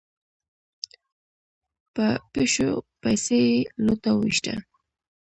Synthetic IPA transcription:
pəpɪʃʊ̰pajsejlʊt̪awɪʃʈa̰

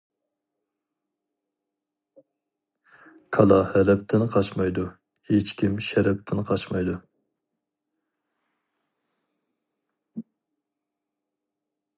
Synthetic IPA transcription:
kʰɑlˠɑhɛlɛp̚t̪ʰɪnqʰɑt͡ʃmɑjd̪u | het͡ʃkʲimʃɛɾɛp̚t̪ʰɪnqʰɑt͡ʃmɑjd̪u

